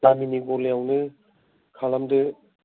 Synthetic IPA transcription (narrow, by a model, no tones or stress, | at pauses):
d̥aminiɡɔleawnɯ | kʰalamdɯ